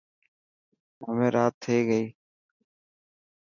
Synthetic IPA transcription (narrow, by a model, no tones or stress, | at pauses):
əmẽːɾʔaːt̪ʰːeːɡəiː